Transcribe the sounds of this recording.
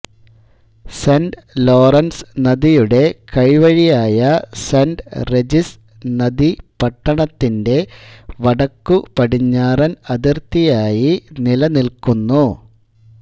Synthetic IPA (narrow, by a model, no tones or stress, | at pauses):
senɖlo̞ːrɐnsnɐðijuɽe̞kɐɻiʋɐɻijaːjɐsenɖred͡ʑis | nɐðipɐʈːɐɳɐt̪ːinde̞ʋɐɽɐkːupɐɽiɲːaːrɐnɐðirt̪ijaːjinilɐnilkunːu